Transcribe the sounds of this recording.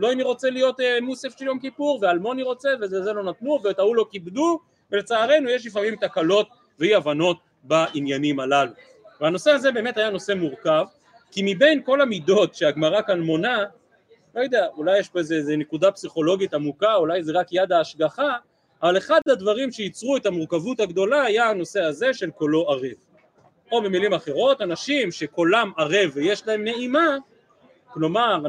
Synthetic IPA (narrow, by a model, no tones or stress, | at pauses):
lo̞ainiʁo̞t͡se̞lijo̞temusafʃeljo̞mkipuʁvealmo̞niʁo̞t͡seveezelo̞nat̪nuvetaulo̞kibdu | vele̞t͡saːʁe̞nujeʃ̬lifamimt̪akalo̞t̚ | veiavano̞t | baʔinjanimalalu | veano̞se̞aze̞be̞ːme̞thajano̞se̞muʁkav | kimibe̞jnko̞lamido̞tʃeaɡmaʁakanmo̞na | lo̞jod̪eaulajːeʃpo̞ezeezenekud̪apsiχo̞lo̞ɡitamukaulajzeʁakjad̪aːʃɡaχaː | vale̞χad̪had̪vaʁimʃe̞jit͡sʁue̞t̪amuʁkavut̪haɡd̪o̞laajaano̞seaze̞ʃe̞lko̞lo̞aʁev | o̞be̞milimaχe̞ʁo̞t̪anaʃimʃe̞kolamaʁevejeʃlae̞mne̞ima | klo̞maʁ